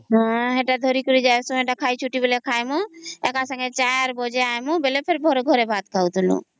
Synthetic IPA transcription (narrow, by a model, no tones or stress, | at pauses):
ɦɔ̃ɦeʈad̪ʱɔɾikɔɾid͡ʒajsũeʈakʰajt͡ʃʰuʈibelekʰajmũɛkasaŋɡet͡ʃajɾbɔd͡ʒeajmũbelepʰeɾbʱɔɾɡʱɔɾebʱat̪̚kʰawt̪ʰulṵ̃